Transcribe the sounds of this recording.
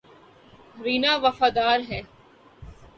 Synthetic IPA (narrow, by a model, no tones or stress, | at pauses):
ɾiːnaːʋɐfaːd̪aːɾɦɛː